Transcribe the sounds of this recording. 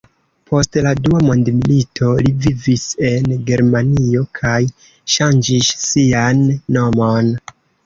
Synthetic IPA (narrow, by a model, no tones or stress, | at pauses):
pʰo̞stladuamondmilitʰo̞livivise̞nɡe̞ɾmanio̞kʰaj | ʃand͡ʒisːianːo̞mon